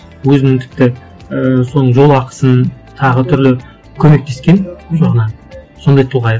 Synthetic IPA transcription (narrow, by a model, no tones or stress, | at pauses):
wɵzɪnɪŋt̪ʰɪ̥p̚t̪ɪ | so̞nəɴʒo̞lˠɑqə̥sən | t̪ʰɑʁət̪ʰʏɾlɪ | kʲʰɵme̞k̚t̪ʰe̞skʲensoʁnɑso̞nd̪ɑjt̪ʰulʁɑj